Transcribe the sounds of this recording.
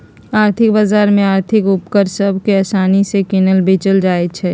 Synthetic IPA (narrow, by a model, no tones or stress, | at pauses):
aːɾt̪ʰɪk̚baːzaːɾmẽaːɾt̪ʰɪkʊp̚kəɾsəbʱkeɛːsaːnisekɪnəlbʱet͡ʃəld͡ʒaːet͡ʃʰɛː